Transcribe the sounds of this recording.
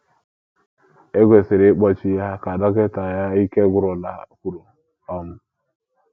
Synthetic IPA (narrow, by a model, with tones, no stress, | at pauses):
e˦ɡʷe˨sɪ˨ɾɪ˦k͡pɔ˦t͡ʃɪ˦ja˦ka˨dɔ˦kɛ˦ta˨ja˦i˦ke˦ɡʷʊ˦ɾɔ˨la˨kʷu˨ɾo˨ | ɔ˦m̩˦